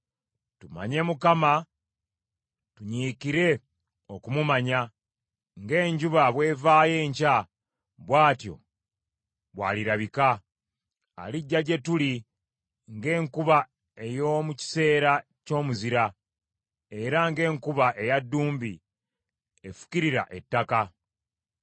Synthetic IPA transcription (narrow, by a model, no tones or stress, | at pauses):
tuma̰ɲe̞mukama | tuɲiːkiɾe̞ | o̞kumumaɲa | ŋɡe̞ːɲɟuβaβwe̞ːvaːje̞ːɲca | βwaːtjo̞̰ | βwa̰ːliɾaβika | a̰liɟːaɟe̞tuli | ŋɡe̞ːŋkuβa | e̞jo̞muci̥se̞ːɾa | co̞ːmuziɾa | e̞ɾaŋɡe̞ːŋkuβaʔe̞jadːuːmbi | efu̥ciɾiɾa̰ʔe̞tːaka